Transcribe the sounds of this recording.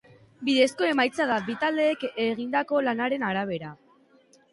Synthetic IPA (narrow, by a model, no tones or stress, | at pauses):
biðe̞sko̞e̞majt͡saðabit̪ald̪e̞ːkeɣ̞ind̪ako̞lanaɾe̞naɾaβ̞e̞ɾa